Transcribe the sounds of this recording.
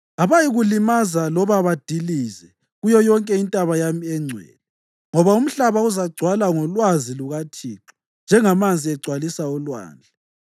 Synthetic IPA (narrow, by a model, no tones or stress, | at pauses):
aβajiɣulimazalɔβaβad̥ʱiliːzɛ | ɣujɔjɔŋkʼɛintʼaβajamiɛŋ͡ǀʱwɛ̰ːlɛ | ŋɔβaum̩ɬaβauzaɡ͡ǀʱwalaŋɔlwaziluɣatʰiːǁi | nd͡ʒʱɛŋamand͡zʱiɛɡ͡ǀʱwalisaɔlwa̰ːnd͡ɮʱɛ